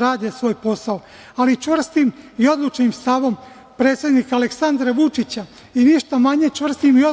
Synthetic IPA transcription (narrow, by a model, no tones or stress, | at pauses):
ɾaːd̪esʋo̞ːjpo̞sao | alit͡ʃʋr̩st̪imio̞d̪lut͡ʃnimst̪aʋo̞m | pɾe̞ːt̪sʲje̞d̪nikaaleksand̪ɾaʋut͡ʃit͡ɕa | iniʃt̪amaɲe̞t͡ʃʋr̩st̪imio